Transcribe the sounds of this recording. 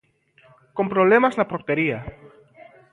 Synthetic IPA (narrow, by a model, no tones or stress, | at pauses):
ko̞mpɾoβlemazlapoɾt̪eɾia